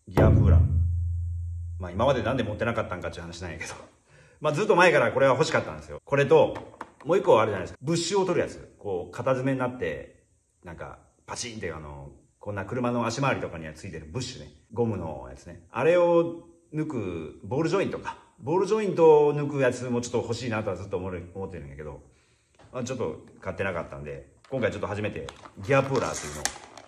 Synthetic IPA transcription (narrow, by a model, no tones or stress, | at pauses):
ɡʲiapɯːɾã̰ | maimamad̪e̞nãnd̪e̞mo̞t̪ːe̞nakat̪ːãŋkat̪ːeiɯhanaɕinãjake̞̥d̪o | mazɨt̪ːo̞mae̞kaɾako̞ɾe̞βaɦo̞ɕi̥kat̪ːã̰nd̪esɨjo̞̰ko̞ɾe̞t̪̬o̞mo̞ːikːoaɾed͡ʑanaeskbɯ̟ɕːɨo̞t̪o̞ɾɯ̟ja̰t͡sɨ̰ko̞ːkʰat̪azɨme̞ɲinat̪ːe̞̰ | nãŋka̰ | pat͡ɕĩːnt̪eja̰no̞̰ | kõ̞nːakɯ̟ɾɯ̟mano̞aɕimaːɾʲit̪o̞kaɲ̟iat͡sɨit̪e̞ɾɯ̟bɯ̟ɕːɨne̞̰ | ɡo̞mɯ̟no̞̰ja̰t͡sɨ̥ne̞a̰ɾe̞o | nɯ̟kɯ̟bo̞ːɾɯ̟ʑo̞ĩnt̪o̞kḁ | bo̞ːɾɯ̟ʑo̞ĩnt̪o̞nɯ̟kɯ̟jat͡sɨmo̞ːt͡ɕo̞t̪ːoho̞ɕiːnat̪o̞ad͡zɨt̪ːoːmoɾomo̞t̪ːe̞ɾɯ̟̃jake̞d̪o̞̰ | mat͡ɕo̞t̪ːo̞̰kat̪ːe̞naka̰t̪ːã̰nd̪e̞kõ̞ŋkait͡ɕo̞t̪ːoaʑime̞t̪e̞̰ɡʲiapɯːɾa̰ːt̪ːejɯ̟ːno̞̰o̰